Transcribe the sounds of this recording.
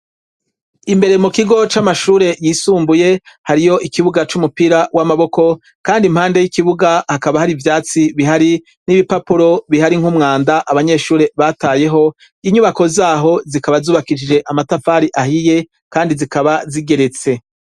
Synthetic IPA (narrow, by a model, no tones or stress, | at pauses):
imbe̞ɾe̞mukiɡo̞t͡ʃamaʃuːɾe̞jiːsuːmbuje̞haɾijo̞ʔikiβuɡat͡ʃumupiɾawʔamaβo̞ko̞ | kaːndim̥haːnde̞jikiβuɡahakaβahaɾivjaːt͡siβiɦaɾi | niβipapuɾo̞βiɦaɾiŋhumŋaːndaʔaβaɲe̞ːʃuːɾe̞βataːje̞ɦo̞ | iɲuβako̞zaːɦo̞zikaβazuːβakid͡ʒid͡ʒe̞ʔamatafaːɾiʔahije̞ | kaːndizikaβaziɡe̞ɾe̞t͡se̞